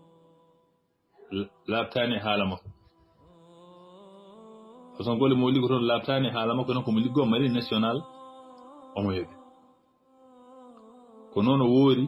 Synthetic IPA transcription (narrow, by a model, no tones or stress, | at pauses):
lab̚taːnɛɦaːlamɔ | ʔɔsɔŋɡɔlɛmɔwlikɔtɔnlab̚tanɛɦaːlamakːɔnɔkɔmɔliɡɔmaɾinasiɔnal | ʔɔmɔjebɛ | kɔnɔnɔwoːɾi